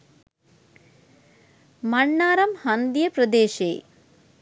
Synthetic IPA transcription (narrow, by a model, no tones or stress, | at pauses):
mɐɳːaːɾɐmhɐnd̪jɐprɐd̪eːʃḛː